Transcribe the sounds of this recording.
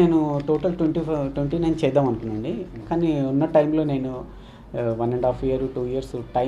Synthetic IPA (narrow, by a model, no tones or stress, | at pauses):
e̞ːnuʈoːʈɐlʈwʋeɳʈiʈʋeɳʈiːne̞ːnut͡ʃɛːd̪aːmɐnkund̪ɐɳɖikaːniunːɐʈɐjmlo̞ːne̞ːnu | ʋɐneɳɖaːpʰijɐɾuʈuːijɐɾsʈɐ